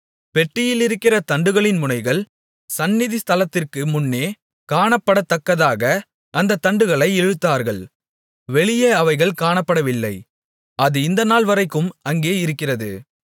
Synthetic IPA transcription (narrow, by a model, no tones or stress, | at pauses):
pɛʈːɪjɪlɪɾɯkːɪrɐt̪ɐɳɖɯɣɐɭɪnmʊnɐɪɣɐɭ | sɐnːɪðɪst̪ɐlɐt̪ːɪrkɯmʊnːeː | kaːɳɐpːɐɽɐt̪ːɐkːɐðaːɣɐ | ʔːnd̪ɐt̪ːɐɳɖɯɣɐɭɐɪɛɻɯt̪ːaːɾɣɐɭ | ʋɛɭɪjɐɐʋɐɪɣɐɭkaːɳɐpːɐɽɐʋɪlːɐ̰ɪ | ɐðɯɪnd̪ɐnaːlʋɐɾɐɪkːɯmɐŋɡeːɪɾɯkːɪrɐðɯ̰